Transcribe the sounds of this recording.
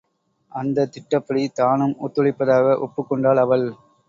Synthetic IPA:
ʔɐnd̪ɐt̪ɪʈːɐpːɐɽit̪aːnɯmʊt̪ːʊɭɪpːɐðaːɣɐʔɔpːɯkːɔɳɖaːɭɐʋɐɭ

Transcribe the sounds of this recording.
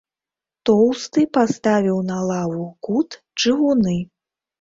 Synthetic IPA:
t̪ɔwst̪ɨpast̪avʲiwnɐlˠavukut̪ | t͡ʂɨɣunɨ

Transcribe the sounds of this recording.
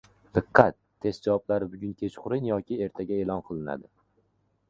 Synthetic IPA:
d̪̥ɨqʰːɑt̪ʰːe̞st̪d͡ʒawɒblaɾɪbʊɡʲʊnkʲʰe̞t͡ʃqʊɾɪnjɒkʲɪe̞ɾt̪ʰaɡʲaelˠɒnqʰɨlˠɪna̰d̪ɪ

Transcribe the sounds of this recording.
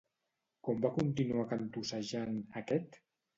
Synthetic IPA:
kɔmbakunt̪inuakant̪usaʒanəkɛt̪

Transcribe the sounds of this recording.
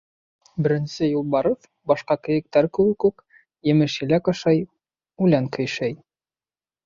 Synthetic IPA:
bɘ̆ɾɘ̆nsɘjulˠbɑɾɤf | bɑʃqɑkɘ̆jɘ̆k̚t̪æɾkɘ̆wɘkʉk | jɘ̆mɘʃilækɑʃɑj | ʉlæŋkɵ̆jʃæj

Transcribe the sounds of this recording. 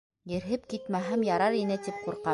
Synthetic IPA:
jɘ̆ɾɦɘp̚kit̪mæɦɘmjɑɾɑɾinɘt̪ip̚quɾqɑ

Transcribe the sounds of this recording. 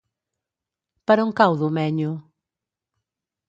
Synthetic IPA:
pɐɾɐuŋkawðʊmɛɲʊ

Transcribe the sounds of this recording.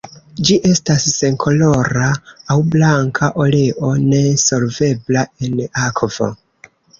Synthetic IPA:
d͡ʒiʔe̞stasːe̞ŋkʰo̞lo̞ɾaːwblaŋkʰaʔo̞le̞ʔo̞ne̞so̞ɾve̞blae̞nakʰvo̰

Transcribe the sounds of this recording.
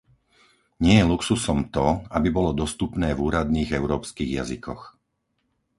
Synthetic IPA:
ɲɪɛjɛluksusɔmt̪ɔabibɔlɔd̪ɔst̪upnɛːvuːɾad̪niːɣɛʊɾɔːpskiːɣja̰zḭkʰɔ̰x

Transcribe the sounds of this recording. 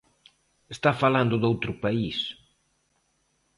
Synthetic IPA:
est̪afaland̪ʊðowt̪ɾʊpais

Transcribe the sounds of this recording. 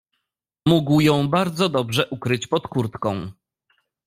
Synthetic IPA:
muɡwjɔ̃w̃baɾd̪zɔd̪ɔbʐɛʔukɾɘt͡ɕpɔt̪kuɾt̪kɔ̃w̃

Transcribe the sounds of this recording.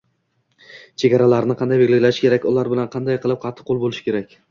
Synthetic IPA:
t͡ʃʰe̞ɡʲaɾalaɾnɪqʰɑnd̪ajbeɡʲlɪlaʃɪ̥kʲʰe̞ɾakʲʊlˠaɾbɪlanqʰɑnd̪ajqʰɨlˠɪp̚qʰɑt̪ʰːɪ̥qʰolˠbolɪʃkʲʰe̞ɾakʲ

